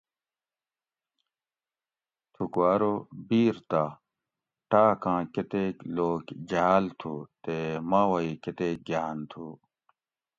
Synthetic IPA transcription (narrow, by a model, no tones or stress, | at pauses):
t̪ʰukwaːɾobiːɾt̪a | ʈaːkãːket̪eːkloːkd͡ʑaɦaːlt̪ʰuːt̪emãːwɐiket̪eːk̚ɡjaːnt̪ʰuː